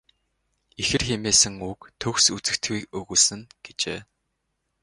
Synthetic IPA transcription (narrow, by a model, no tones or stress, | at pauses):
ixɘ̆rxemeːsɘ̆ŋukt̪ʰɵxsut͡sɘ̆kt̪ɡijkɵɣuːsɘ̆ŋɡ̥et͡ɕeː